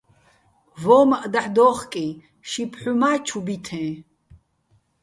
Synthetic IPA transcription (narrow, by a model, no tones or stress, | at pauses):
vɔːmaʔd̪aħd̪ɔːχkʼi | ʃipʰħumaːt͡ʃʰubit̪ʰɛ̃ː